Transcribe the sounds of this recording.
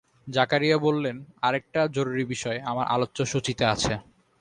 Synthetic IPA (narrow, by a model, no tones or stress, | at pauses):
d͡ʑakaɾijabolːenaɾek̚ʈad͡ʑoɾuɾibiʃɔeamaɾʔa̰lotːɕoʃot͡ɕit̪eat͡ɕʰe